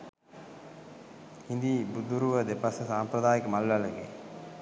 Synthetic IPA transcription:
ind̪ibud̪uɾuʋəd̪epasəsaːmpɾəd̪aːjəkəmalʋaləɡḛ

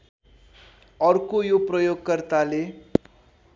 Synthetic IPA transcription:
ʌrkojoprʌjoɡkʌrt̪ale

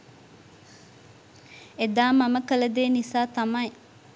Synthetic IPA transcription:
ed̪aːmaməkələd̪eːnisaːt̪amɐj

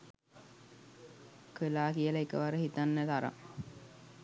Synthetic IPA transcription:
kelaːkijəlaekəʋaɾəɦit̪anːət̪aɾa̰

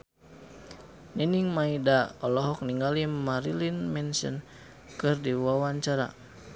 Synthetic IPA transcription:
niniŋmaidaɔlɔɦɔk̚niŋɡalimaɾilinmɛnsə̰n | kɨrdiwawaɲt͡ʃaɾa̰

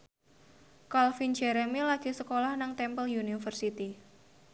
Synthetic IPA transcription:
kalfind͡ʒɛɾemilaɡ̥i̤səkolahnaŋt̪ɛmpəljunifərsit̪i

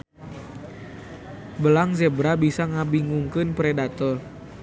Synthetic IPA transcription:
bəlaŋzebɾabisaŋabiŋuŋkɨnpɾedat̪ɔr

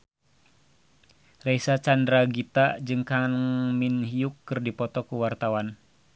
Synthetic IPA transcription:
rɛisat͡ʃandɾaɡit̪ad͡ʒɨŋkaŋminhiukːɨrdipɔt̪ɔkuwart̪awan

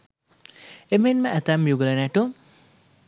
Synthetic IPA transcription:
emenmaʔːt̪amjuɡlanaʈu

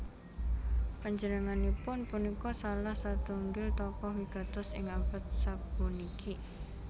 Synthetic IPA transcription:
paɲd͡ʒənəŋanipʊnpunikɔsalahsat̪uŋɡɪlt̪ɔkɔɦwiɡ̥at̪ʊsɪ̰ŋapət̪̚sab̥uniki

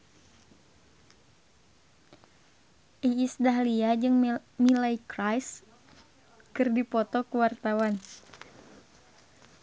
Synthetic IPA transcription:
ʔiːsdaɦliad͡ʒɨŋmilaikɾajs | kɨrdipɔt̪ɔkuwart̪awan

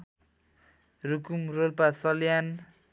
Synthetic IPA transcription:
rukumrolpasʌljan

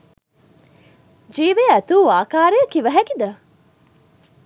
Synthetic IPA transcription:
d͡ʒiːʋeæt̪uːaːkaːɾejəkiʋɐɦækid̪ɐ

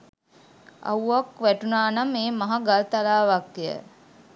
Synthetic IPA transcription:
a̰wakʋæʈunaːnameːmaɦaɡalt̪alaːʋakːijə̰

